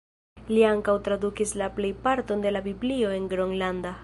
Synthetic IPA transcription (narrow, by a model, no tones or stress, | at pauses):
liaŋkawtɾadukislaple̞jpaɾto̞nde̞labiblio̞e̞nɡɾoŋlanda